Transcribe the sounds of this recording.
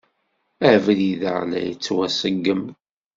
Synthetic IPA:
ævliðə̰ʁnæ̰jə̰t͡sːwæsəɡːəm

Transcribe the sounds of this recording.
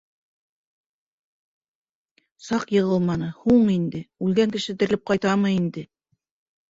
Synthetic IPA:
sɑqjɤ̆ʁɤlˠmɑnɤhuɴind̪ɘʉlɡæŋkɘ̆ʃɘd̪ɘ̆ɾlɘp̚qɑjt̪ɑmɤind̪ɘ

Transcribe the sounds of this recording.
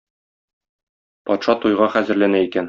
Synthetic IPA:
pɒt̪ʃɑt̪ujʁɑχæzɘ̆ɾlænæikæn

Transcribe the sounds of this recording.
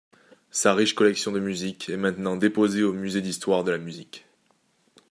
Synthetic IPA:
saʁiʃkɔlɛksjɔ̃d̪əmyzikʰɛmɛ̃t̪nɑ̃d̪epozeomyzed̪ist̪waʁd̪əlamyzik

